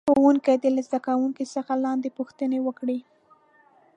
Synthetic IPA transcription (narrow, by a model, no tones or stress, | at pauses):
owuŋkajd̪əlazd̪akawuŋkisəxalɑnd̪epuxt̪ənewəkɽi